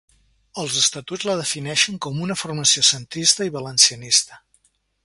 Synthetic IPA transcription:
əlˠzəst̪ət̪ud͡zzləð̞əfinɛʃəŋkɔmunəfurməsiosənt̪ɾist̪əiβələnsiənist̪ə̥

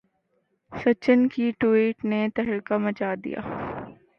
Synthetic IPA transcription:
sɐt͡ʃənkiʈuiːʈnet̪ɐɦəlkamɐt͡ʃaːd̪ḭja̰ː

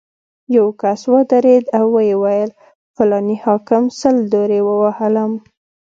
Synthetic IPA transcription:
jawkaswəd̪aɾed̪awːəjewajəl | fʊlɑnihɑkɪmsəld̪oɾewəwahalam

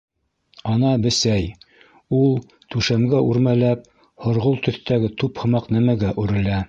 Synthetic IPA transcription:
ɑnɑbɘ̆sæj | ulˠ | t̪ʉʃæmɡæʔʉɾmælæp̚ | hŏɾʁolˠt̪ɵ̆θt̪æɡɘt̪uphɤ̆mɑqnæmæɡæʔʉɾɘ̆læ

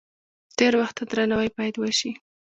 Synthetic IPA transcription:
t̪eɾwaxt̪ad̪ɾanawajpɑjad̪wəʃi

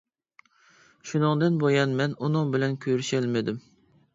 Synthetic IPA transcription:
ʃunɨŋd̪ɨnbojɑnmɛnunɨŋbɪlɛnkʲʰøɾyʃɛlmɪd̪ɪm

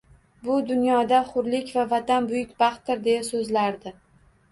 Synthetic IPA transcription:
bʊd̪ʊnjɒd̪aχʊɾlɪkʲvavat̪anbʊjɪkʲbɑχt̪ːɪɾd̪e̞jasɵzlaɾd̪ɪ

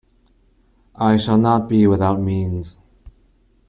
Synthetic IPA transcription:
ʔaɪʃəlˠnət̚b̥iwɪðaʊt̚mĩːnz̥

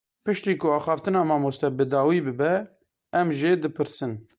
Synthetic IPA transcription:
pɨʃt̪iːkʊɑːxɑːft̪ɨnɑːmɑːmost̪ɛbɨd̪ɑːwiːbɨbɛ | ɛmʒed̪ɨpʰɨɾsɨn

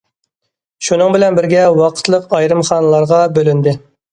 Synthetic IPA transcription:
ʃunɨŋbɪlɛnbɪɾɡʲɛwɑqʰə̥t̪lˠəqɑjɾɨmχɑːnɨlˠɑɾʁɑbølynd̪ɪ

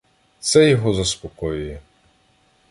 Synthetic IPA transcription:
t̪sɛjɔɦɔzɐspɔkɔjʊjɛ

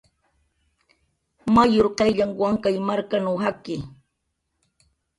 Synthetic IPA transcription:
majoɾqɑjʎaŋwaŋkajmaɾkanawɦakɪ

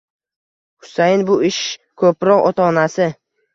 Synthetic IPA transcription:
hʊ̥sajɪnbʊɪʃkʰɵpɾɒqɒt̪ʰɒːnasɪ

